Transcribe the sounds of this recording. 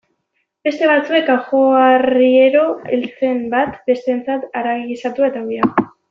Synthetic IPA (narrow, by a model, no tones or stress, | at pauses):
be̞st̪e̞β̞at͡sue̞kaxoarieɾo̞elt͡se̞mbat̪be̞st̪ent͡sat̪aɾaɣisat̪ue̞t̪aɣiao